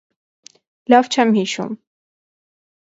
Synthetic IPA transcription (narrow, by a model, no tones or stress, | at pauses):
lɑvt͡ʃʰɛmhiʃṵm